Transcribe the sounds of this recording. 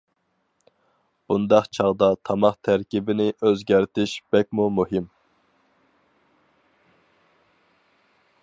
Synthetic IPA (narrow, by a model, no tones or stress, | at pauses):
b̥und̪ɑχt͡ʃʰɑʁd̪ɑt̪ʰɑmɑqt̪ʰæɾkʲibɪnɪʔøzɡʲæɾt̪ʰɪʃb̥ɛk̚ʲmumuɦɪm